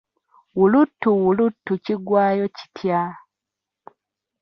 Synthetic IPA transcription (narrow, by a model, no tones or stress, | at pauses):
wulutːuwulutːuciɡwaːjo̞ci̥tʰja